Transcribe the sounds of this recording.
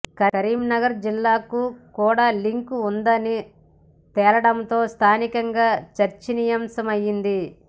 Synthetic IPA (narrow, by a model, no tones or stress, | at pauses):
kɐɐɾiːmnɐɡɐɾd͡ʒilːaːkukuːɽaːliŋkund̪ɐni | t̪ɛːlɐɽɐnt̪o̞ːst̪ʰaːnikɐŋɡaːt͡ʃɐɾt͡ʃinijɐmsɐmɐjːind̪i